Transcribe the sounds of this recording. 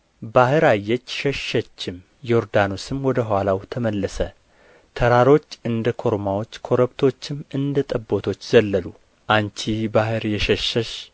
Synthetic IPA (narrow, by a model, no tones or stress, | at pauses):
bahɨɾajːɛt͡ʃːʃɛʃːət͡ʃːɪm | joɾd̪ano̞sɨmwɔd̪əɦwalawt̪ʰəməlːəsə | t̪ʰəɾaɾo̞t͡ʃːɨnd̪əkʰo̞ɾmawo̞t͡ʃːkʰo̞ɾəbt̪ʰo̞t͡ʃːɪmɨnd̪ət̪ʼəbːo̞t̪ʰo̞t͡ʃːzəlːəlu | ʔant͡ʃʰibahɨɾjɛʃɛʃːəʃ